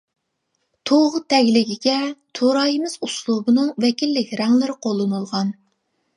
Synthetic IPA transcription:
t̪ʰoʁʊt̪ʰɛɡʲlɪɡʲiɡʲɛt̪ʰoɾɑːjimɪzuslˠubɨnɨŋvɛkʲilːɪkʲɾɛŋlɪɾɪqʰolˠːɨnulˠʁɑn

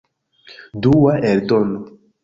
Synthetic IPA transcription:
duwaeldono

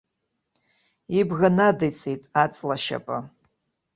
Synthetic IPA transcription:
ibɣanadajt͡sʰʼejtʼat͡sʼlaʃa̰pʼa

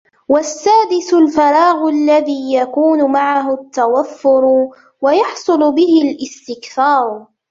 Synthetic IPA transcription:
wasːaːd̪ɪsʊlfɑɾˤɑːɣʊlːaðiːjakuːnʊmaʕaɦʊt̪ːawafːʊɾ | wajɑħsˤʊlʊbɪhɪlʔɪst̪ɪkθɑːɾˤ

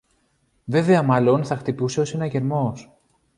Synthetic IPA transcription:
ve̞ve̞ɐmɐlo̞nθɐxt̪ipuse̞o̞se̞nɐʝe̞ɾmo̞s

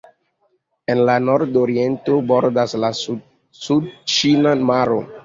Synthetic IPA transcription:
enlanoɾdoɾientoboɾdaslasu | sud̚t͡ʃinamaɾo̰

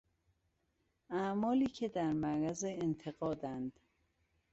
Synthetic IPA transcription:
æmɒːliːcʰe̞d̪æɾmæɾæzeːnt̪ʰe̞ɣɒːd̪ænd̪̥

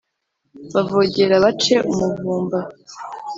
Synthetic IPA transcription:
βavoɟe̞ɾaβat͡ʃe̞ʔumuvuːmba

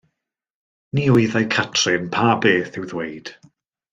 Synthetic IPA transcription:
niːʊɨðajkʰatʰrɪnpʰabeːθɪwðwejd̥

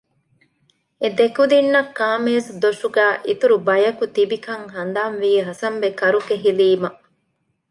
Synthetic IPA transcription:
ed̪ekud̪inːɐkːaːmeːsd̪oʃuɡæːʔit̪uɾubɐjɐkut̪ibikɐŋɦɐnd̪aːnʋiːɦɐsɐmʋekɐɾukeɦiliːmɐ

